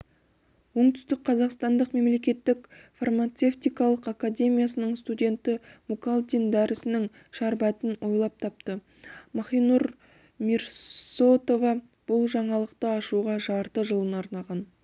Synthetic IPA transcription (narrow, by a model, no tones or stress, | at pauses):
wo̞ɴt̪ʏ̥st̪ɪk̚qʰɑzɑqst̪ɑnd̪əqme̞mle̞kʲe̞t̪ːɪkfarmat̪se̞ft̪ijkɑlˠəqakadʲe̞mʲijasənəɴst̪udʲe̞nt̪ɪmukalˠt̪ʲind̪æɾɪsɪnɪŋ | ʃɑɾbɑt̪ɪnwʔo̞jlˠɑp̚t̪ʰɑp̚t̪ə | mɑχijnuɾ | miɾso̞t̪o̞vɑ | b̥ʊlˠʒɑɴɑlˠəqt̪əɑʃuʁɑʒɑɾt̪əʒəlˠənɑɾnɑʁɑn